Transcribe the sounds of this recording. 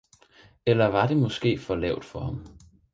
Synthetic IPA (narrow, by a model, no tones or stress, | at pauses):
elɐʋɑ̈d̥e̝mɒ̽sɡ̥e̝̰ːfɒ̽lɛ̰ʊ̰d̥fɒ̽hɑ̈m